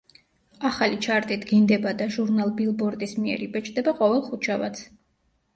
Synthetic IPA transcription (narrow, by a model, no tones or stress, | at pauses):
aχalit͡ʃʰaɾt̪ʼit̪ɡind̪ɛbad̪aʒuɾnalˠbilˠbɔɾt̪ʼismiɛ̰ɾibɛt͡ʃʼd̪ɛbaqʼɔvɛlˠχut͡ʃʰava̰t̪sʰ